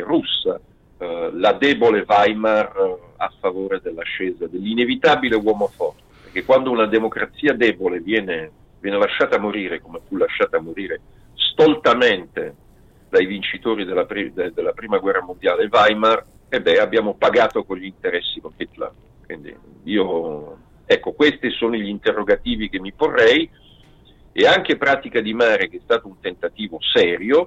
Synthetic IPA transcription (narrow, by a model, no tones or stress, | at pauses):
rusːa | lad̪ɛːbolevajmar | a̰fːavoːɾed̪elːaʃɛːzad̪elːinevit̪aːbilewɔːmofɔrt̪e̥peɾk̟ekːwand̪ounad̪emokɾat̪sːiːad̪ɛːbolevjɛːne | vjɛːnelaʃːaːt̪amoɾiːɾekomefulaʃːaːt̪amːoɾiːɾe | st̪olt̪ament̪e | d̪ajvint͡ʃit̪oːɾid̪elːapɾid̪ed̪elːapɾiːmaɡwɛrːamond̪jaːlevajmar | ebːɛabːjaːmopaɡaːt̪okoʎːint̪eɾɛsːikonket̪la̰ | kwḭnd̪ḭ | iːo | ɛkːokwest̪isoːniʎint̪erːoɡat̪iːvik̟emːiporːɛj | eaŋk̟epɾaːt̪ikad̪imaːɾek̟eɛst̪aːt̪ount̪ent̪at̪iːvosɛːɾjo